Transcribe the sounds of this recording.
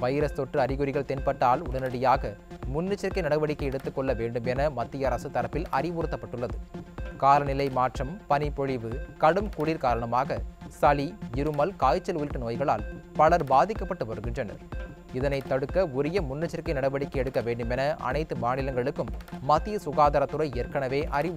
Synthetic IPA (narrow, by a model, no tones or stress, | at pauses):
ʋɐjɾɐst̪ɔʈrɯɐɾɪɣʊɾɪɣɐɭt̪ɛnpɐʈːaːlʊ̰ɽɐnɐɽɪjaːɣɐmʊnːɪt͡ʃːɐɾkːɐɪnɐɽɐʋɐɽɪkːɐɪɛɽɯt̪ːɯkːɔɭːɐʋeːɳɖɯmɛnɐmɐt̪ːɪjɐɾɐsɯt̪ːɐɾɐpːɪlɐ̰ɾɪʋuɾɯt̪ːɐpːɐʈːɯɭːɐðɯkaːɾɐnɪlɐɪmaːʈrɐmpɐnɪpɔɻɪʋɯkɐɽɯmkʊɽiɾkaːɾɐɳɐmaːɣɐsɐliɪɾɯmɐlkaːjt͡ʃːɐlʋɔjɪʈːɯnoːjɣɐɭaːlpɐɭɐɾbaːðɪkːɐpːɐʈːɯʋɐɾɯɣɪndrɐnɐ̰ɾ | ɪðɐnɐɪt̪ːɐɽɯkːɐʊɾɪjɐmʊnːɪt͡ʃːɐɾkːɐɪnɐɽɐʋɐɽɪkːɐɛɽɯkːɐʋeːɳɖɯmɛnɐʔɐ̰nɐɪt̪ːɯmaːnɪlɐŋɡɐɭɯkːɯmːɐt̪ːɪjɐsʊɣaːd̪ɐɾɐt̪ːɯɾɐɪɪjɐɾkɐɳɐʋeːʔɐɾɪʋ